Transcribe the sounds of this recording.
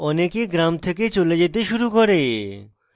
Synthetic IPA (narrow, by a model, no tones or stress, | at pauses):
ɔnekeɡɾamt̪ʰeket͡ɕoled͡ʑet̪eʃuɾukɔɾe